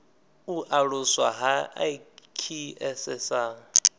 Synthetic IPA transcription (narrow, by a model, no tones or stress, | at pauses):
uʔaɺʊswa̰ɦa | kʰiɛsɛsaːŋ̩